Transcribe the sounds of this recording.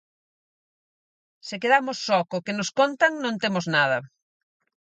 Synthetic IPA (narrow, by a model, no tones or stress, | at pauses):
sɪkeðamʊsːɔkʊkenʊskont̪ɐŋnõŋt̪emʊznaðɐ